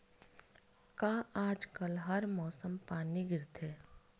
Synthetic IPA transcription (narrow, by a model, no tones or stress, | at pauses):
kaːʔaːd͡ʒkəlɦɐɾmɔːsəmpaːniɡɪɾt̪ɦɛː